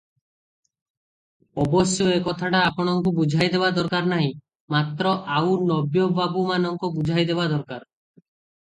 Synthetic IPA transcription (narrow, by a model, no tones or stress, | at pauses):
ɔbɔsjoekɔt̪ʰaʈaːpɔɽ̃ɔŋkubud͡ʒʱajd̪ebad̪ɔɾkaɾnaɦĩ | mat̪ɾɔʔawnɔbjɔbabumanɔŋkubud͡ʒʱajd̪ebad̪ɔɾkaɾ